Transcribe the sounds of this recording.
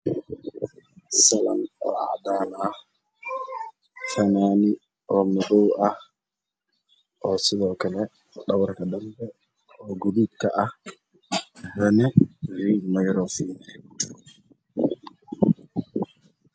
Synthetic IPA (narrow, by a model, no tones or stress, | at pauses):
sala̰mɔ̰a̰danaa | fɛnani | ʔɔmɛɡowa | ʔɔsilɔkɛlɛ | ɗawaɾkadambɛ | ɔɡodikaʔa | wɛnɛvimajɾɔfinɛ